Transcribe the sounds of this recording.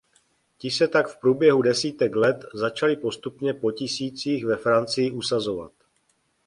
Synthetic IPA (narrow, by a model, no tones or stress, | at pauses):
cɪsɛt̪akfpɾuːbjɛɦudɛsiːt̪ɛklɛt̪zat͡ʃalɪpo̞st̪upɲɛpo̞cɪsiːt͡siːxvɛfɾant͡sɪjɪʔusazo̞va̰t̪